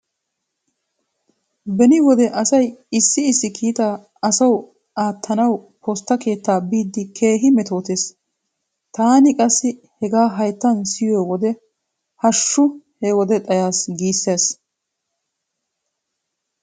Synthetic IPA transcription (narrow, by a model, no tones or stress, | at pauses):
bɛnɪwɔd̪ɛʔɐsɐjɪsːɪɪsːɪkʰiːt̪aː | ɐsɐw | aːt̪ʰːɐnɐw | pɔst̪ːɐke̞ːt̪ːaːbiːd̪ːɪkʰe̞ːɦɪmɛt̪o̞ːt̪eːs | t̪aːnɪkʼɐsːɪ | hɛɡaːɦɐjt̪ːɐnsɪjowɔd̪ɛ | hɐʃːʊhewɔd̪ɛt̪ʼɐjaːsɡiːsːeːs